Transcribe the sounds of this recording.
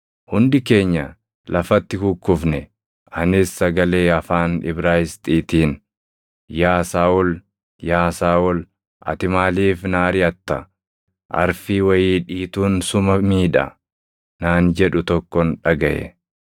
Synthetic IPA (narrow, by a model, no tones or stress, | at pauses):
hʊnd̪ɪke̞ːɲːɐ | lɐfɐt̪ːɪhʊkːʊfnɛ | ʔɐnɪsːɐɡɐleːɐfaːnɪ̰bɾaːjɪst̪ʼiːt̪iːn | jaːsaːʊl | jaːsaːʊl | ʔɐ̰t̪ɪmaːliːfnaːɾɪɐt̪ːɐ | ʔɐ̰ɾfiːwɐjiːᶑiːt̪uːnsʊmɐmiːᶑɐ̰ | naːnd͡ʒɛᶑʊt̪ɔkːɔnᶑɐɡɐʔɛ̰